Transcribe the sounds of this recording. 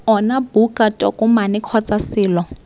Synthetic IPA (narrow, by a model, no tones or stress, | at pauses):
ɔnabukʼatʼɔkʼʊmanɪkʰɔt͡sʼasɪːlɔ